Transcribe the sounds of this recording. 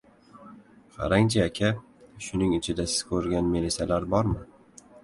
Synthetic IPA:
qʰɑ̰ɾaŋt͡ʃʰaakʲʰa | ʃʊnɪŋɪt͡ʃʰɪd̪asɪ̥z̥kʰɵɾɡʲanmelisalaɾbɒɾmɪ

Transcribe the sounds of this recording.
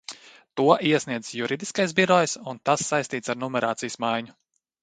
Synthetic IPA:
t̪uɔʔiɛsniɛd̪zjuɾid̪iskajsbiɾɔjsunt̪asːajst̪iːt̪saɾnɔmɛɾaːt̪sijsmajɲʊ

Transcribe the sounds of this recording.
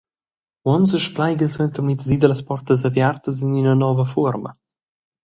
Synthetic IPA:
wɔnsəʃplajɡəsɾɛnt̪əɾnitzid̪ələspɔrt̪əzəvjart̪əzininənɔvəfuəɾmə̰

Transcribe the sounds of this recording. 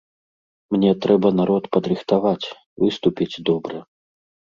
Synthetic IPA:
mnʲɛt̪ɾɛbɐnaɾɔt̪pɐd̪ɾɨxt̪avat͡sʲ | vɨst̪upʲit͡sʲd̪ɔbɾɐ

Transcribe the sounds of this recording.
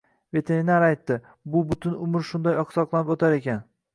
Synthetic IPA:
ve̞t̪ʰe̞ɾinaɾajt̪ːɪ | bʊbʊt̪ʰɪnʊmɪɾʃʊnd̪ɒjɒqsɒqlˠanɪpot̪ʰaɾe̞kʲan

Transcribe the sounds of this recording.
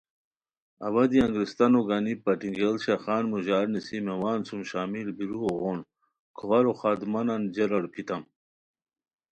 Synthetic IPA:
ɐβɐd̪iɐŋɡɾist̪ɐnoɡanipɐʈiŋɡelɕaxaːnmuʑaːɾnisimewaːnsumɕaːmilbiɾuoɣon | kʰuwɐɾoxaːd̪mɐnɐnd͡ʑeɾɐɽpʰit̪ɐm

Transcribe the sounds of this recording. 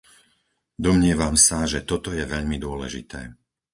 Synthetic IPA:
d̪ɔmɲɪɛʋamsaʒɛt̪ɔt̪ɔjɛʋɛʎmid̪ʊɔlɛ̰ʒḭt̪ɛ̰ː

